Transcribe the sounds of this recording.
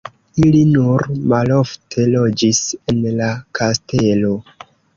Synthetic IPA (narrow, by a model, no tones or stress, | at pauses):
ilinuɾmalo̞ftʰe̞lo̞d͡ʒise̞nlakʰaste̞lo̞